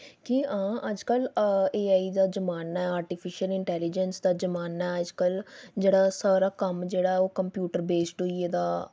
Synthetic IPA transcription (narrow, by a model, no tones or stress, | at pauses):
kiãːʔəd͡ʒkəleːaːiːd̪aːd͡ʒəmaːnaːaːɾʈɪpʰɪʃəlɪɳʈɛːlɪd͡ʒənsd̪aːd͡ʒəmaːnaːəd͡ʒkəld͡ʒeːɽaːsaːɾaːkəmd͡ʒeːɽaːɛoːkəmpjuːʈəɾbeːsʈɦoieːd̪aː